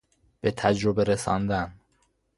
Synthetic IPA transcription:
b̥et̪ʰæd͡ʒɾobeɾesɒ̰ːnd̪æn

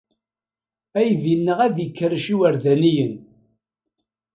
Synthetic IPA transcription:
æjðinːəʁæðjəkːəɾʃiwəɾðænijən

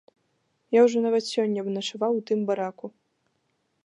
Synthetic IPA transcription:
jawʐɔnavɐt̪sʲɔnʲːɐbnɐʂavawt̪ɨmbaɾaku

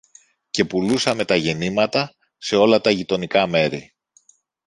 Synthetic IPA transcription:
ce̞pulusɐme̞t̪ɐʝe̞nimɐt̪ɐ | se̞o̞lɐt̪ɐʝit̪o̞nikɐme̞ɾi

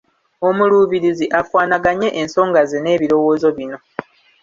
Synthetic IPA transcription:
o̞muluːβiɾiziʔafwaːnaɡaɲe̞ʔenso̞ːŋɡazene̞ːβiɾo̞wo̞ːzo̞βino̞

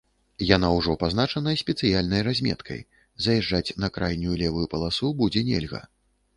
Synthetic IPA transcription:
jan̪awʐɔpazn̪at͡ʂɐnɐsʲpʲɛt̪sɨjalʲnɐjrazʲmʲɛ̰t̪kʰɐ̰j | zɐjɛʐːat͡sʲnɐkɾajnʲulʲɛvujupɐlˠasubud͡zʲɛnʲɛ̰lʲɣɐ̰

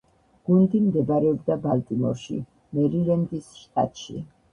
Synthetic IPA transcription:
ɡ̥und̪imd̪ɛbɾɛɔbd̪abalt̪ʼimɔ̰ɾʃḭ | mɛɾilɛnd̪isʃt̪ʼa̰t̪ʼʃḭ

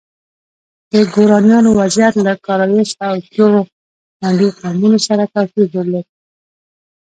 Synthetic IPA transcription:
d̪̥əɡoɾɑnjɑnowazjat̪lakɑɾaweʃawkjoɾo | maɳɖiqamunosaɾakawpid̪oɾle

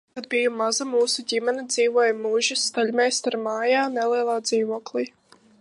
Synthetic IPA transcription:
kad̪̚bijumazamuːsuɟʲimɛnɛd̪ziːvuɔjmuʒisːt̪aʎʲmʲɛjst̪aɾmaːjaːnɛlˠiɛlˠaːd̪ziːvuɔklˠiː

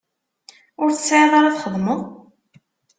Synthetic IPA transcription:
ʊɾθəsʕeðˤɑɾˤɑðχəðˤməðˤ

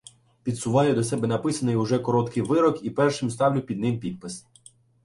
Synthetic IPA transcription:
pʲid̪sʊʋɑjʊd̪ɔsɛbɛnɐpɪsɐnɪjʊʒɛkɔɾɔt̪kʰɪjʋɪɾɔkipɛrʃɪmst̪ɑwlʲʊpʲid̪̚nɪmpʲit̪̚pɪs

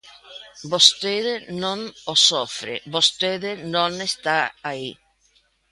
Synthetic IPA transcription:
bost̪eðenõŋosofɾḛbost̪eðɪnõŋest̪aai

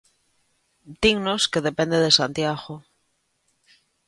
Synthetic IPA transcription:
d̪iŋnoskeðepẽnd̪eðesant̪jaɣo

